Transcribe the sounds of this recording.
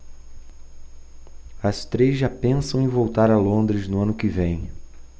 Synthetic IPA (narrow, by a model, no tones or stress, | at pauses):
ɐst̪ɾezʒapẽsɐ̃w̃ẽvowt̪aɾɐlõnd̪ɾɪznʊɐ̃nʊkɪvẽj̃